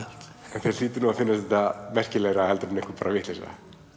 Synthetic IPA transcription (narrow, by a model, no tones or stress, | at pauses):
t̪ | ɛnθɛiːt̪ɪnɔmafɪnːast̪ɛt̪amɛr̥cɪlɛɣɾahɛlt̪ɾɪnɪŋkʰaɾpaːɾavɪht̪lɛsa̰